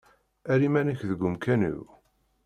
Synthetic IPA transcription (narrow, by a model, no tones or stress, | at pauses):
æɾimænəçðəɡʷːʊmkænṵw